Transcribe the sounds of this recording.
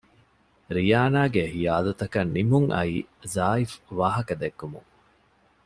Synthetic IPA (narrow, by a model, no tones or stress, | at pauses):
ɾijaːnaːɡehijaːd̪ɐt̪ɐkɐnːimuŋʔɐ̰iːzaːifʋaːɦɐkɐd̪ekːumṵŋ